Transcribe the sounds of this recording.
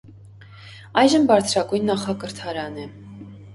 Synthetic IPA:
ɑjʒəmbɑɾt͡sʰɾɑkujnːɑχɑkəɾt̪ʰɑɾɑnɛ

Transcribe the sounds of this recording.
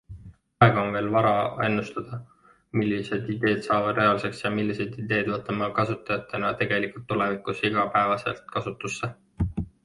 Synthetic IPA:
ɑeɡ̥ɑonve̞ːlvɑɾɑe̞nːust̪ɑd̪̥ɑ | milːise̞d̪id̪e̞ːd̪̥sɑːvɑd̪̥re̞ɑlse̞ksjɑmilːise̞jd̪id̪e̞ːd̪vɤt̪ːˑɑmɑkɑsut̪ːˑɑjɑt̪ːˑe̞nɑt̪e̞ɡ̥e̞likult̪ːule̞vikˑusiɡ̥ɑpæevɑse̞̰lt̪kɑsut̪ːˑusːe

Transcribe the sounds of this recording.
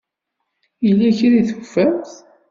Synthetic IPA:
jəlːæçɾiθu̥fːæθ

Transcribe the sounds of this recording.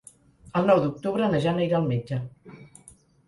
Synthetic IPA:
əlˠnɔwd̪uk̚t̪uβɾənəʒanəiɾaːlˠmed͡ʒə

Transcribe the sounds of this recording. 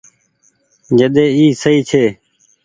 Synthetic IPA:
d͡ʒəɗ̪eːiːsəiːt͡ʃʰeː

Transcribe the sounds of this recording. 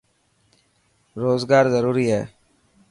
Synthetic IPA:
ɾoːzɡaːɾzəɾuːɾiːɦɛː

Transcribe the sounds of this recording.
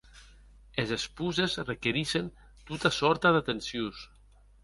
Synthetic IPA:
ezespuzezrekeɾiʃen | t̪ut̪asɔɾt̪aðat̪ensjus

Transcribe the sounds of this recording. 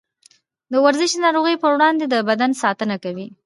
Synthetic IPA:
d̪əwaɾzɪʃd̪ənɑɾoɣəjpəwɽɑnd̪ed̪əbad̪ansɑt̪ənakawi

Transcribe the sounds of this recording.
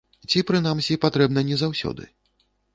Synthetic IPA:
t͡sʲipɾɨnamsʲipat̪ɾɛbn̪ɐnʲɛzawsʲɔ̰d̪ɨ̰

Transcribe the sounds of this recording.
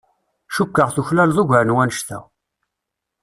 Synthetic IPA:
ʃukːəʁθuçlælðˤʊʝʕnwænəʃt̪æ̰

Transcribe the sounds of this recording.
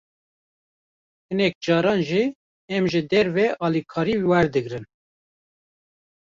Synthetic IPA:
hɨnɛk̚d͡ʒɑːɾɑːnʒi | ɛmʒɨd̪ɛɾvɛʔɑːlikʰɑːɾiwɛɾd̪ɨɡɾɨn

